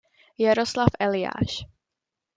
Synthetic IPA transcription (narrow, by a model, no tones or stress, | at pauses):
jaɾoslafʔɛlɪja̰ːʃ